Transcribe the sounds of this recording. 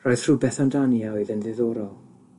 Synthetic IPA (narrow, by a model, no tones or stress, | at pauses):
rɔjð̥ʰr̥ubɛθandaniawɨðənðɪðɔɾɔlˠ